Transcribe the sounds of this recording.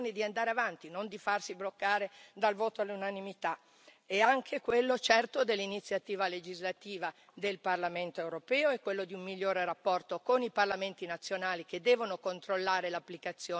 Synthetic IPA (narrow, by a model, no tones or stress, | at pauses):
nid̪iand̪aːɾeavant̪inond̪ifarsiblokːaːɾed̪alvoːt̪oalːunanimit̪a | ɛaŋkʰekwelːot͡ʃɛrt̪od̪elːinit̪sːjat̪iːvaled͡ʒizlat̪iːva | d̪elparlament̪oewɾopɛːoɛkːwelːod̪iummiʎːoːɾerapːɔrt̪okoniparlament̪inat̪sːjonaːliked̪ːɛːvonokont̪ɾolːaːɾelapːlikat̪sːjoː